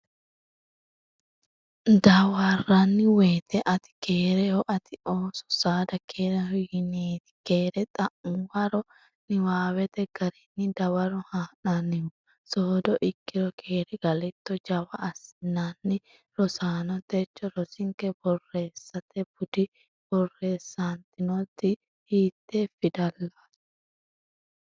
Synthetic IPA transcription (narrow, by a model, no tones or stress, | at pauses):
d̪ɐwarɐnːɪweːt̪ɛʔɐt̪ɪ̥keːɾɛɔʔɐt̪ɪʔoːsɔ̥saːd̪ɐkʰeːɾɛhɔjɪneːt̪ɪ̥keːɾɛt̪ʼɐʔʊwɐɾɔ | nɪwaːwɛt̪ɛɡ̥ɐɾɛnːɪd̪ɐwɐɾɔhaːnanɪɔ | soːd̪ɔʔɪkːɪɾɔkʰeːɾɛɡ̥ɐlɛt̪ːɔd͡ʒɐwɐʔːsɪnːaːnːɪ | ɾɔsaːnɔt̪ɛt͡ʃːɔɾɔsɪŋkɛbɔrːeːsːɐt̪ɛb̥ʊd̪ɪ | b̥ɔrːe̞ːsːaːnt̪ɪnɔt̪ːɪ | hiːt̪ːeːfɪd̪ɐlːḁ